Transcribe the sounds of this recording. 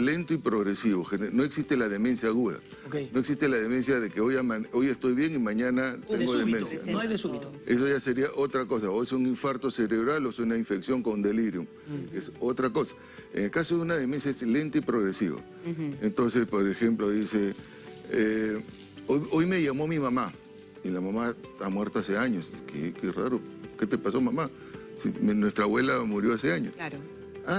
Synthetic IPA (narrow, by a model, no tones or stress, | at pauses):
le̞nt̪oipɾoɣɾesiβo̞xeneno̞eksist̪elað̞e̞me̞nsjaːɣuða̰ | keno̞eksist̪elað̞eme̞nsjaðekeojamaojest̪o̞jβje̞ŋimaɲanat̪eŋɡoðemensja̰ðesuiḛs̬oʝase̞ɾiaʔo̞t̪ɾako̞sao̞jsoŋiɱfaɾt̪oseɾeβɾalosojunaiɱfe̞ksjo̞ŋkonund̪e̞liɾjum | keso̞t̪ɾako̞sḁ | ḛŋelkasoðeunaðemisesle̞nt̪aipɾoɣɾesḭβa̰ | ent̪o̞nsespoɾexemploðise | e | ojo̞jme̞ʝamo̞amimama | ilamamaamwe̞ɾt̪oaseaɲoskekera̰ɾoket̪epaso̞mama | sḭmnwe̞st̪ɾaβwe̞lamuɾjo̞aseaɲo̰s | a